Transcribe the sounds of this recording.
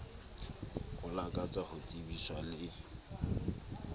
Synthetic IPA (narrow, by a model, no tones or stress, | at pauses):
ɣʊlakʼat͡sʼahʊt͡sʼibiswalɪ